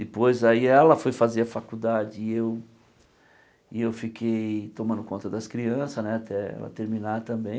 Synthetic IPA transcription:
d̪ɪpojzaiɛlɐfojfaziɐfakud̪ad͡ʒɪːew | ɪewfikʰejt̪õmɐ̃nd̪ʊkõnt̪ɐd̪ɐskɾiɐ̃sɐznɛat̪ɛɛ̰lɐ̰t̪eɾmĩnat̪ɐ̃mbẽj̃

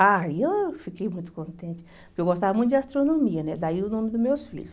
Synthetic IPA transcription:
aewfikejmũj̃t̪ʊ̥kõnt̪ẽnt͡ʃɪ̥ | pʊɾkewɡost̪avɐmũt̪ʊd͡ʒast̪ɾonõmiɐnɛd̪aiʊnõmɪd̪ʊmewsfḭʎʊs

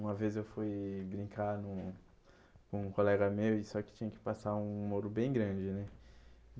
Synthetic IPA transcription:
ũɐvezzewfujbɾĩkaɾnʊ̃ | kõũkolɛɡɐmewɪsɔkɪ̥t͡ʃĩɲɐkɪ̥pasaɾũmoɾʊbẽj̃ɡɾɐ̃d͡ʒɪnɛ

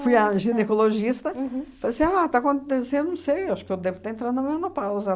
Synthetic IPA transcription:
fujɐʒinekoloʒist̪ɐ̃falesĩat̪akõnt̪esẽd̪nɐ̃w̃sejewaʃʊ̥kɪewd̪evʊt̪aɐẽnt̪ɾãd̪nɐmenopawzɐ

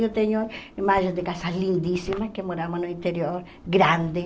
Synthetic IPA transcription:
jot̪eɲoimaʒend̪ekasalind̪isimakemoɾamonoint̪eɾjoɾ | ɡɾand̪e

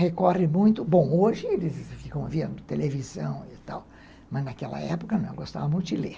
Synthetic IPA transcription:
hekɔrɪmũj̃t̪ʊbõw̃oʒɪelɪsfikɐ̃w̃vĩɐ̃d̪ʊt̪elevizɐ̃w̃it̪a̰w | mɐznakɛlɐ̰ɛpʊ̥kɐnɐ̃w̃ḛwɡost̪a̰vɐmũj̃t̪ʊd͡ʒɪleɾ

